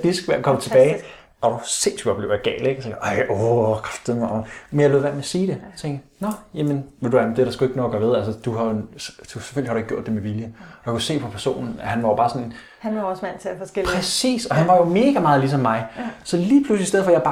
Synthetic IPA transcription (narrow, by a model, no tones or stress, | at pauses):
d̥isɡ̥ʋæɐkʰɒmət͡sʰe̝b̥ɛːɪ | ɒɾ̥usensy̥ɒb̥le̝ʊɐjɑ̈ɡ̥ɛ̰ːl̥eɡ̥se̥ʔɑɪokʰɑfd̥eðˠmmenjaɪløð̩ˠʋæ̰nmeɐsiːd̥e̝t͡sʰeŋ̰ɡ̥nɒjemənʋelduæmd̥e̝æɐɾɑ̈sɡ̥ue̝ɡ̥ənoːɐ̥ɡɶ̰ɐʋe̝ð̞ˠælsəd̥uɦɑ̈jod̥use̥fø̰lihɾueɡ̥o̝ɐ̰d̥ːe̝meʋiljəɒjakʰuse̝̰ːpʰɒ̽pʰæɐso̝̰ːnn̩æhænʋɑ̈job̥ɑ̈ːsɒ̽nn | hænɑɒsmæn̰t͡sʰeæfɒsepʰʁɛsḭːsɒ̽hænʋɑ̈jome̝ːɡ̥æmɑ̈ːðˠlis̬ɒ̽mːɑ̈ɪsɒ̽liːpʰluslisdeð̩̰ˠfɒjabɑ